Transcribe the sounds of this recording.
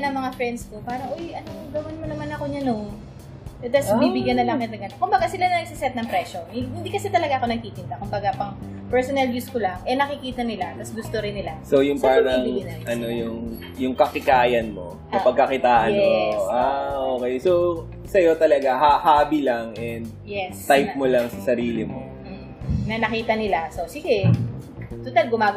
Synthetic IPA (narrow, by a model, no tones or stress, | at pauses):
ɐnɐŋmɐŋafɾɛnd̪st̪opaːɾɐŋʔojʔɐnoɡɐwɪnmɐnɐmanɐkoɲɐno | t̪ɐsmiːbɪɡjɐnːɐlɐŋk̪ɐt̪ɐlɐɡɐnkʊmbɐɡasɪlanɐnɐɡ̚sɪsɛt̪̚nɐŋpɾɛːʃo̞hɪhɪnd̪iːkɐsɛt̪ɐlɐɡaɐko̞nɐɡ̚kiːkɪnt̪akʊmbɐɡapɐŋ | pɛɹsonɛlvjuːskolaŋʔɛnɐkɪkiːt̪ɐnɪlat̪ɐsɡʊst̪o̞ɾɪnːɪlaso̞jʊŋpaːɾɐŋnʔɐno̞jʊŋ | jʊŋkɐkɪkaːjɐnmo̞ | nɐpɐɡ̚kːɐkɪt̪aːʔɐnoʔaʔoːkɛjso | sɐjo̞t̪ɐlɐɡahahaːbilɐŋɛnd̪̚jɛst̪ajp̚molɐŋsɐsɐɾiːlɪmo̞̰ | nɐnɐkiːt̪ɐnɪlasosiːɡɛ | t̪ʊt̪alɡʊmaːɡ